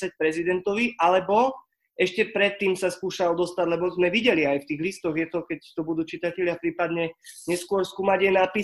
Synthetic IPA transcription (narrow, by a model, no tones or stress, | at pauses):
ac̚pɾɛzid̪ɛnt̪ɔʋiʔalɛbɔ | ɛʃcɛpɾɛt̪ːiːmsaskuːʃald̪ɔst̪aɟlɛbɔzmɛʋiɟɛliajft̪iːɣlist̪ɔɣjɛt̪ɔkɛct̪ɔbud̪uːt͡ʃit̪acɛʎɪapɾiːpad̪ɲɛɲɛskʊɔɾskuːmaɟɛnapi